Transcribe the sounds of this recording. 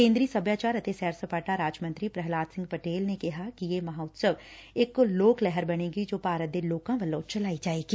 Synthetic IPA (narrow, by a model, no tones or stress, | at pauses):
kẽːnd̪ɾiːsɐbʱjaːt͡ʃaːɾɐt̪esɛːɾsəpaːʈaɾaːd͡ʒmɐ̃nt̪ɾipɾɛɦlaːt̪sɪ̃ŋɡ̚pɐʈeːlnekɐɦakijemɐɦaːʊt̪səʋekloːklɛɦəɾbɐɽ̃ẽːɡid͡ʒoːpaːɾət̪̚d̪eloːkãʋɐloːt͡ʃɐlaːid͡ʒaːeːɡiː